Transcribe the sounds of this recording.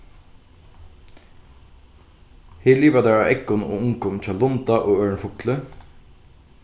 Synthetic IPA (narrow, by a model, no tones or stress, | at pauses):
heːliːʋɑd̪æːɹɑ̰ːʔɛkɔno̰ːʊŋkɔmc͡çɑlɔnt̪ɑʔoːøːɳfʊklə